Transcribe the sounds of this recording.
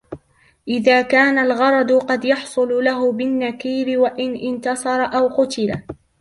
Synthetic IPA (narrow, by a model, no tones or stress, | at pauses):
ʔɪðaːkaːnalɣɑɾˤɑd̪ʊqɑd̪jɑħsˤʊlʊlaɦʊbɪnːakiːɾɪwaʔɪnʔɪnt̪ɑsˤɑɾˤɑʔawqʊt̪ɪla